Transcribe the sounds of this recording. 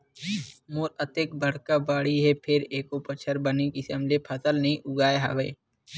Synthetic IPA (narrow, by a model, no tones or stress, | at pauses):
moːɾət̪eːk̚bɐɽ̤kabaːɽiɦɛpʰɪɾeːkopət͡ʃʰəɾbɐnikɪsəmlepʰɐsəlnɐɦĩʔʊɡaːeɦa̰ːʋeː